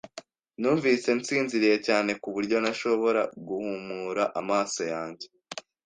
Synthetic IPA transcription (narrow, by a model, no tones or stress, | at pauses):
nuːɱviːse̞nsiːnziɾije̞caːne̞kuβuɾɟo̞naʃo̞βo̞ɾa̰ɡuhumuɾaʔamaːso̞jaːɲɟe̞